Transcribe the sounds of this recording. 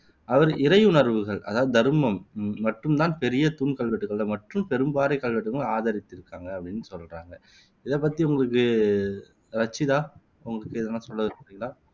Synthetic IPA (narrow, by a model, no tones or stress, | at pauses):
ɐʋɐɾɪɾɐɪʊɳɐɾʋɯɣɐɭʔɐ̰ðaːðɯd̪ɐɾɯmɐmːɐʈːɯmt̪aːnpɛɾɪjɐt̪ʊnkɐɭʋɐʈːɯɣɐɭːɐmɐʈrɯmpɛɾɯmbaːɾɐɪkːɐɭʋɐʈːɯɣɐɭaːðɐɾɪt̪ːɪɾɯkːaːŋɡɐɐpːɐɽɪnːɯsɔlra̰ːŋɡɐ | ɪðep̬ːɐt̪ːiʊŋɡɐɭɯkːɯ | ɾɐt͡ʃːɪðaː | ʊŋɡɐɭɯkːɯɪðɐnːãːsɔlːɐðɯkɐpːɾɪŋɡɐɭaː